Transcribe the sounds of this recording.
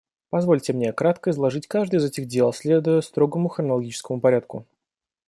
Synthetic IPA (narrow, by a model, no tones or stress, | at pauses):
pɐzvo̞lʲtʲɪmnʲekɾat̪kəɪzlˠɐʐɨtʲkaʐd̪ɨjɪzɛtʲɪɣdʲelˠsʲlʲed̪ʊjəst̪ɾo̞ɡəmʊxɾənəlˠɐɡʲit͡ɕɪ̥skəmʊpɐɾʲat̪̚kʊ̰